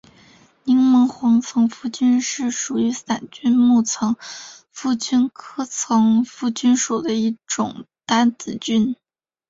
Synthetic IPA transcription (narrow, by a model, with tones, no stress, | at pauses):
ni˧˥ŋmɤ˧˥ŋxwɑ˧˥ŋt͡sʰɤ˧˥ŋfu˥˩t͡ɕy˥nʂɻ̩˥˩ʂu˨˩y˧˥sa˨˩nt͡ɕy˥nmu˥˩t͡sʰɤ˧˥ŋ | fu˥˩t͡ɕy˥nkʰɤ˥t͡sʰɤ˧˥ŋfu˥˩t͡ɕy˥nʂu˨˩d̪ə˦i˥˩ʈ͡ʂʊ˨˩ŋ | t̪a˥nt͡sɹ̩˨˩t͡ɕy˥n